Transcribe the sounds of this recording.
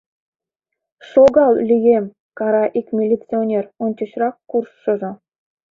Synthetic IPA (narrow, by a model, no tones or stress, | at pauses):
ʂoɡɑlˠlʲyjem | kɑɾɑʔikmʲilʲːit͡sionʲeronʲt͡ɕɤ̆ɕrɑkkurʃɤ̆ʒɤ̆